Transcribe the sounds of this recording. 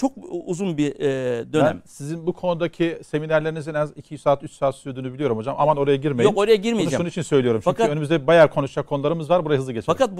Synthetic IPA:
t͡ʃʰo̞k̚uzunbid̪ønæ̰msizinbukʰo̞nud̪acʰise̞minæɾlʲeinizinɛzicʰijyzsaːt̪ʰyt͡ʃsaːt̪sy̥t̪ʰyød̪yːnybilʲijo̞ɾumho̞d͡ʒamʔa̰mano̞ɾajaɟiɾmejokoɾajaɟiɾmij̪ud͡ʒʃuit͡ʃʰinsø̞jlʲijo̞ɾumt͡ʃʰfɲkʰyønymyzd̪ɛbajæɾkʰo̞nuʃakʰːo̞nulˠaɾɯmɯzvaɾbuɾajaɦɯzˠɯɟet͡ʃʰakat̪

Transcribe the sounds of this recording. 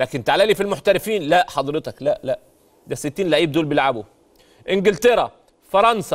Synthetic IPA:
læːkɪnt̪aʕalæːlifilmoħt̪æɾɪfiːnlæʔħɑd̪ɾet̪ɑklæʔlæʔ | d̪æsɪt̪ːiːnlæʕiːb̚d̪uːlbjelʕabo | ʔɪŋɡɪlt̪eɾˤæ | fɑɾˤɑnsɑ

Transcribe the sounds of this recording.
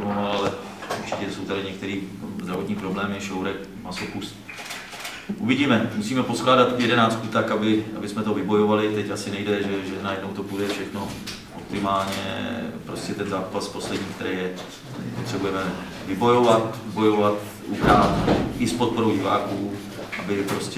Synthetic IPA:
nonoalɛ | uɾt͡ʃɪ̥cɛsowt̪adɪɲɛkt̪ɛɾiːzd̪ɾavot̪ɲiːpɾoblɛːmɪʃowɾɛk | masopust̪ | ʔuvɪɟiːmɛmusiːmɛpo̞sklaːdat̪jɛdɛnaːt͡skut̪akabɪʔa̰bɪsmɛt̪ovɪbo̞jovalɪt̪ɛcasɪnɛjdɛʒɛʒɛnajɛdno̞wt̪o̞pudɛfʃɛxno̞ | ʔo̰p̚t̪ɪmaːlɲɛ̰pɾo̞scɛt̪ɛnzaːpaspo̞slɛdɲiːkt̪ɛɾɛjɛ̥ | ɛ̰pot̪r̥ɛbujɛmɛ | vɪbo̞jo̞vat̪bo̞jo̞vat̪ | ʔupɾaːfʔɪspot̪̚po̞ɾowɟɪva̰ːkuː | ʔabɪpɾo̞scɛ

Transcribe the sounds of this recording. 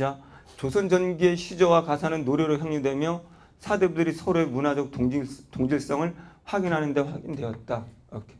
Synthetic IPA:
a | t͡ɕosʰʌnd͡ʑʌnɡie̞ɕʰid͡ʑʌwakasʰanɯnːoɾjʌɾoçjaŋɲudwe̞mjʌ | sʰade̞budɯɾisʰʌɾoe̞munad͡ʑʌk̚toŋd͡ʑiɭs͈ʌŋɯɭɸwaɡinɦanɯnde̞ɸwaɡindwe̞ʌt̚t͈aʌkʰe

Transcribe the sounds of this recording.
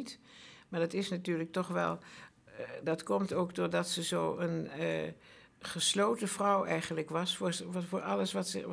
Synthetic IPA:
tmaːɹdɑtɪsnatyːɹlək̚tɔχʋɛ̰lˠ | dɑtkɔmtowkdʊːɹdɑtsəzoːən | χəslowtəv̥rʌwʔɛjχənləkʋɑsfʊːfʊːɹʔɑləsʋɑtsə̰

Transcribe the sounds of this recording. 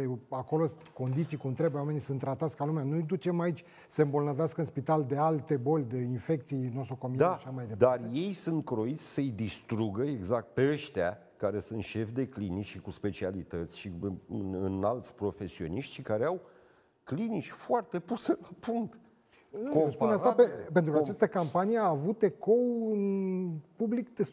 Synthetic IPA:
eakolo̞s | ko̞nd̪it̪sijkumnt̪ɾe̞bwame̞nisɨnt̪ːɾat̪at̪sʲkalumeanujd̪ut͡ʃe̞mait͡ʃʲ | səɨmbolnəveaskəɨnspit̪ald̪e̞alt̪e̞bo̞lʲd̪einfe̞k̚t̪sijnosuko̞mid̪aʃamajd̪ed̪arje̞jsunt̪̚kɾo̞it̪sʲsəjd̪ist̪ɾuɡəeɡzak̚t̪̚peəʃt̪ea | kaɾe̞sɨnt̪ʃe̞fd̪e̞klinit͡ʃʃikuspe̞t͡ʃialit̪ət̪sʲʃiɨɨ̰nɨnalt̪sʲpɾo̞fe̞sio̞̰niʃt̪ʲʃikaɾeaw | klinit͡ʃʲfoart̪e̞puselapuŋkt̪ | kospueat̪apepent̪ɾukat͡ʃast̪əkampanieaːvut̪e̞ko̞wɨnpublikd̪e

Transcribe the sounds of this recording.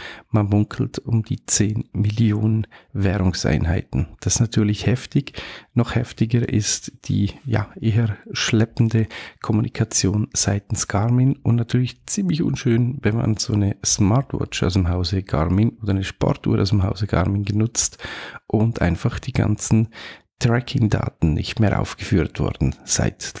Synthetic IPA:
manmʊŋkʰl̩tʊmd̥iːt͡seːnmɪljoːnənvɛːɾʊŋsa̰ɪnɦa̰ɪtn̩d̥asnatʰyːɐlɪçhɛftɪɡnɔχhɛftɪɡəɾʔɪstd̥ḭːja̰ʔɪɦəʃlɛpn̩dəkʰɔmunikʰat͡sjoːnz̥aɪtn̩sɡ̥aɾmɪnʊntnatʰyːɐlɪçt͡siːmlɪçʊ̰nʃøːnvɛnma̰nz̥oːnəsmaɾtwɔ̰t͡ʃa̰ʊsdəmɦaʊzəɡ̥a̰ɾmɪnoːdəɪnəʃpɔ̰ɾtṵːɾʔa̰ʊsd̥əmɦaʊzəɡ̥a̰ɾmɪnɡənʊt͡stʔʊndʔa̰ɪnfaχd̥iːɡa̰nt͡sn̩ | tʁ̥ɛkʰɪŋda̰ːtn̩nɪ̰çtmeːɐʔa̰ʊfɡ̥əfyːɾtv̥ɔ̰ɾd̥n̩z̥a̰ɪt

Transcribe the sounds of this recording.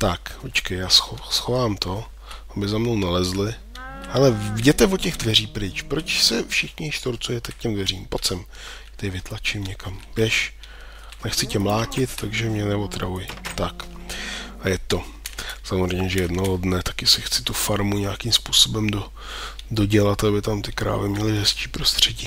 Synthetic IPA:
t̪akpot͡ʃkɛjjaːsxosxovaːmt̪o̞ | ʔabɪzamnownalɛzlɪ | halɛvɟɛt̪ɛvocɛɣdvɛriːpɾɪt͡ʃpɾot͡ʃsɛfʃɪxɲɪʃt̪oɾt͡sujɛt̪ɛk̚cɛmdvɛriːmpot͡sɛm | t̪ɛɪvɪt̪lat͡ʃɪmɲɛkamvjɛʃ | nɛxt͡sɪcɛmlaːcɪt̪ːaɡʒɛmɲɛnɛvot̪ɾavujɪt̪ak | ʔajɛt̪o̞ | samozrɛjmɲɛʒɛjɛdnoɦodnɛt̪ḁkɪsɪxt͡sɪ̥t̪ufaɾmuɲakimspuːsobɛmdo | do̞ɟɛlat̪abɪt̪amt̪ɪkɾa̰ːvɪmɲɛlɪɦɛst͡ʃiːpɾost̪r̝̥ɛɟiː

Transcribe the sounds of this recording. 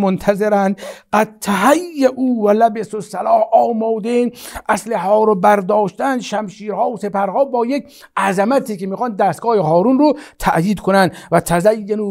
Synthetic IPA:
mont̪ʰæzeɾænd̪ɢ̥æd̪̚t̪ʰːæɦæjːeʔuːvælæbesosælɒːhɒːmɒːd̪eʔæsleɦɒːɾobæɾd̪ɒːʃt̪ænd̪ʃæmʃiːɾhɒːose̞pæɾhɒːbɒːjek̚ | ʔæzæmæt̪ʰiːkemiːxɑːnd̪ːæːst̪̚ɡɒːheɦɒːɾunrot̪ʰæ̰ʔjiːd̪̚kʰonænd̪væt̪ʰæzæjːenu

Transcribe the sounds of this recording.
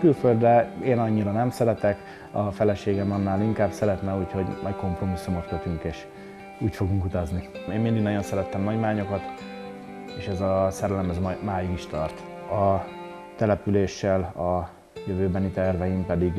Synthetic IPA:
kylføld̪rɛeːnɒɲːiɾɒnɛmsɛɾɛt̪ɛk | ɒfɛlɛʃeːɡɛmɒnːaːliŋkaːbsɛɾɛt̪nɛuːcho̞ɟmʔɒjko̞mpro̞misːumot̪køt̪yŋkeːʃ | uːcfo̞ɡuŋkut̪ɒznieːmmind̪iɡnɒɟo̞nsɛɾɛt̪ːɛmnɒɟmaːɲo̞kɒt̪ | eːʃɛzɒsɛɾɛlɛmɛzmjmaːjiɡiʃt̪ɒrt̪ | ɒ | t̪ɛlɛpyleːʃːɛlɒ | jøvøːbɛnit̪ɛrvɛjimpɛd̪iɡ

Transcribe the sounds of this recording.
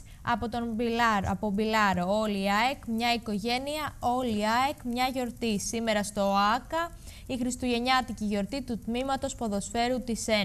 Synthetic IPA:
ɐ̰po̞t̪o̞nbɐpobilɐɾooliɐekmɲɐiko̞ʝe̞niɐo̞liɐekmɲɐʝo̞ɾt̪isime̞ɾɐst̪o̞ɐkɐ | ixɾist̪uʝe̞ɲɐt̪iciʝo̞ɾt̪it̪ut̪mimɐt̪o̞spoðo̞sfe̞ɾut̪ise

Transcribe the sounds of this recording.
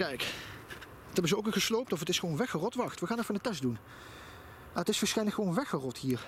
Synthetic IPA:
kɛjk | tɛbənzəowkɪχəslowp̚tɔfətɪsχəʋonʋɛxərɔtʋɑχtʋəχaːnɛfəndətɛsdun | maːətɪsfəɹsχɛjnləkχəʋownʋɛxərɔthiːəɹ

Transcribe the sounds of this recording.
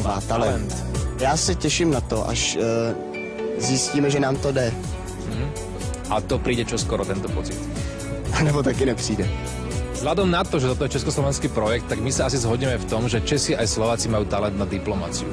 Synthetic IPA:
at̪alɛnɛt̪jaːsɛcɛʃimnat̪ɔʔa̰ʃ | zisciːmɛʒɛnaːmt̪ɔdɛ | m̩ɦ̩ | ʔat̪ɔpɾiːɟɛt͡ʃɔskɔɾɔt̪ɛnt̪ɔpɔt͡sit̪ | anɛbɔt̪akinɛpr̥iːdɛ | zɦlad̪ɔmnat̪ɔʒɛt̪ɔt̪ɔjɛt͡ʃɛskɔslɔʋɛnskiːpɾɔjɛk̚t̪ːaɡmisaasizɦɔɟimɛft̪ɔmʒɛt͡ʃɛsiʔajslɔʋaːt͡simajuːt̪alɛnt̪nad̪iplɔmat͡siṵ

